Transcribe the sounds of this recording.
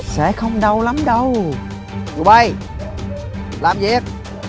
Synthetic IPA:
sɛ̰˧˥xə˧wŋ͡mɗə˧wla˨˦mɗə˧w | zu˨˩ɓa˧˩j | la̰ː˧˨mzi˨˧ɛ˦˥k̚

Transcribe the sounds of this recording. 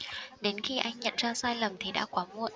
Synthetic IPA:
ɗe˨˦nxi˧ʔa˧jŋ̟ɲə̰˧˨nzaː˧saː˧jlə˨˩mt̪ʰi˨˩ɗa̰ː˧˥kwaː˨˦mu˧˩ən

